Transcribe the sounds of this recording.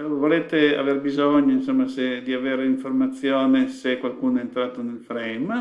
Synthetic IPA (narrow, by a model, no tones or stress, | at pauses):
voleːt̪ea̰verbizoɲoinsomːased̪iaveːɾeiɱformat̪sːjoːnesekwalkuːnoɛent̪ɾaːt̪onelfɾɛjm